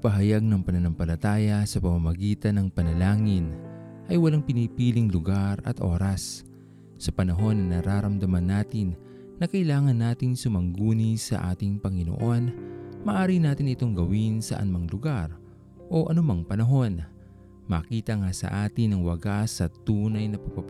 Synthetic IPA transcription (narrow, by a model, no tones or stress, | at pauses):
pɐɦɐjaɡ̚nɐŋpɐnɐnɐmpɐlɐt̪aːjɐsɐpɐmamɐɡiːt̪ɐnɐŋpɐnɐlaːŋɪnʔɐjwɐlaŋpɪniːpiːlɪŋlʊɡaɾɐ̰t̪ʔo̞̰ːɾɐs | sɐpɐnɐɦo̞nːɐnɐɾaːɾɐmd̪ɐmɐnːaːt̪ɪnː | ɐkɐʔɪlaːŋɐnːaːt̪ɪŋsʊmɐŋɡuːnisɐ̰ʔa̰ːt̪ɪŋpɐŋɪno̰ʔo̞nmɐʔaːɾinaːt̪ɪŋɪt̪o̞ŋɡɐwinsɐ̰ʔɐ̰nʊmaŋlʊɡaɾ | ʔo̞ʔɐnʊmaŋpɐnɐɦo̞n | mɐkiːt̪ɐŋasɐ̰ʔaːt̪ɪnɐŋwɐɡasɐt̪uːnɐjnɐpɐpɐ